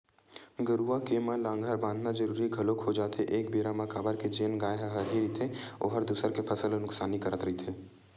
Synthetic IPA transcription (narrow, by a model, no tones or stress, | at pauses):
ɡəɾuakeməlãːŋɡʱəɾbãːnd̪ʱnad͡ʒəɾuːɾiɡʱɐlokɦod͡ʒaːt̪eʔeːkbeːɾaməkaːbəɾked͡ʒeːnɡaːjɦɦɐɾɦiɾit̪ʰeo̰ːɦəɾd̪uːsəɾkepʰɐsəlonʊksaːnikɐɾət̪ɾɐit̪ʰeː